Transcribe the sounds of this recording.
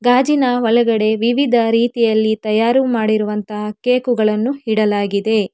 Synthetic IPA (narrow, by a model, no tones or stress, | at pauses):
ɡaːd͡ʒinɐʋɐlɐɡɐɽe̞ʋiʋid̪ʱɐɾiːt̪ijɐlːit̪ɐjaːɾumaːɽiɾuʋɐnt̪ɐɦɐkːeːkuɡɐɭɐnːuɦiɽɐlaːɡid̪e̞